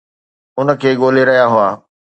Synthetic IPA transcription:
ʊnə̆kʰeːɠoːleɾɐɦjaɦʊaː

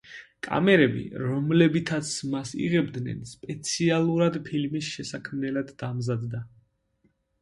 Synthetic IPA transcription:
kʼa̰mɛɾɛbḭɾɔmlɛbit̪ʰat̪sʰmasḭʁɛbd̪nɛ̰nspʼɛt̪sʰialˠuɾad̪pʰilmisʃɛsakʰmnɛlad̪ːamzad̪ːa

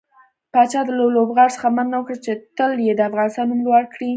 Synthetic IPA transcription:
pɑt͡ʃɑd̪əlalobɣaɽsə̥xamannawəkɽat͡ʃet̪əljed̪əafɣɑnɪst̪ɑnːumlwaɽkɽi

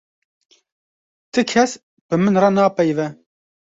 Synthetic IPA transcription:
t̪ɨkʰɛs | b̥ɨmɨnrɑnɑːpɛjvɛ

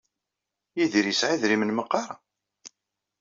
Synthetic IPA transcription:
jiðiɾisʕiðɾimənməqːɑɾˤɑ

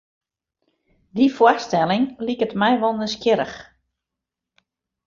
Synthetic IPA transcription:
difwastɛlˠɪŋlikətmɛjʋɔlˠnəskjɪɾə̰x

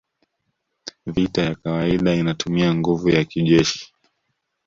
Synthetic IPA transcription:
vitajakawaiɗainatumiaŋɡuvujakiʄɛʃi̥

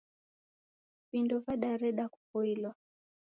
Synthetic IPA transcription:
vindɔvaɗaɾɛɗaku̥fɔilwa

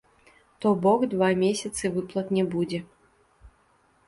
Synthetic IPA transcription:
t̪ɔbɔkd̪vamʲesʲɐt̪sɨvɨplˠɐt̪nʲɛbud͡zʲɛ

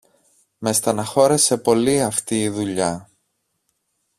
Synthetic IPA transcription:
me̞st̪ɐnɐxo̞ɾe̞se̞po̞liɐft̪iːðuʎɐ

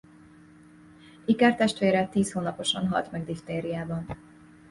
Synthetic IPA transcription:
ikart̪ɛʃt̪ʋeːɾɛt̪iːshoːnɒpo̞ʃɒnɦɒ̰lt̪mɛɡd̪ift̪eːɾijaːbɒn

